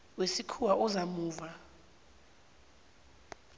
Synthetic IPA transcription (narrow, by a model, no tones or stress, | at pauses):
wesikʰuwaʔɔzamuːva